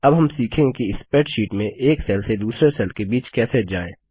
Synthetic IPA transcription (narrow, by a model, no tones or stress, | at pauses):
ɐbɦɐmsiːkʰẽkiɪspeːʈʃiːʈmẽʔeːksɛlsed̪uːsɾesɛlkebiːt͡ʃkɛːsed͡ʒaːḛ̃ː